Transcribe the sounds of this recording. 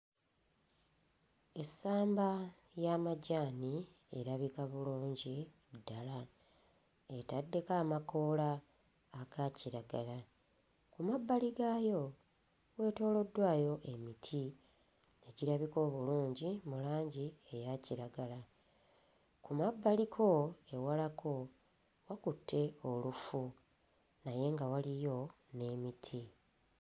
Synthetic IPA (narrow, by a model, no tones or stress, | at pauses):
esːaːmba | jamaɟaːni | e̞̰ɾaβikaβuluːɲɟi | dːala | e̞tadːe̞kaːmako̞ːlaː | ɡaciɾaɡala | kumabːaliɡaːjo̞ | we̞ːto̞ːlo̞dːwaːjo̞ʔe̞mitʰi | e̞ɟiɾaβiko̞ːβuluːɲɟimulaːɲɟie̞jaciɾaɡala | kumabːalikʰo̞e̞walakʰo̞ | wakutːe̞o̞lufu | naje̞ŋɡawalijo̞ | ne̞ːmitʰi